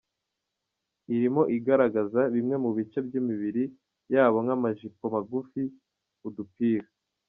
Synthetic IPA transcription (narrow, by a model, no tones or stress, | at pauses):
iɾimo̞ʔiɡaɾaɡazaβimŋe̞muβit͡ʃe̞bjimiβiɾi | jaːβo̞ŋamaʒipomaɡufi | udupiːɾa